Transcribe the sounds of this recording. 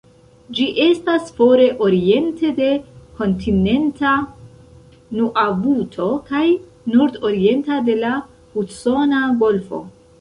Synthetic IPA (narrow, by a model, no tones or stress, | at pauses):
d͡ʒiʔe̞stasfo̞ɾe̞ʔo̞ɾie̞nte̞de̞ko̞ntʰine̞nta | nuʔavutʰo̞kaj | nuɾdo̞ɾie̞ntade̞la | huso̞naɡo̞lfo̞̰